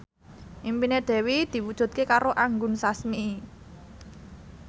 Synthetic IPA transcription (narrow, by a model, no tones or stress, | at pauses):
ʔimpineɖ̥ɛ̤wid̪̥i̤wud̥ʒ̥ṳt̪̚kekaɾoʔaŋɡʊnsasmiː